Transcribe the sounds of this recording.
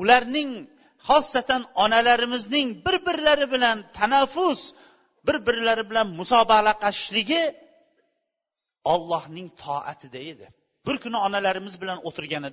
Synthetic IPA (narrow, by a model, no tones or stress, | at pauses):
ʊlaɾnɪŋ | hɒsːat̪ʰanɒnalaɾɪmɪznɪŋbɪɾbɪɾɪlaɾɪbɪlant̪ʰanafːʊs | bɪɾbɪɾɪlaɾɪbɪlanmʊsɒbɑqlaqʰɑɪʃlɪɡʲɪ | ɒlˠːɒhnɪŋt̪ʰɒ̰ʔa̰t̪ʰɪd̪ae̞d̪ɪ | bʊɾkʰʊnɪɒnalaɾɪmɪzbɪlanot̪ʰɪɾɡʲanɪd̪ɪ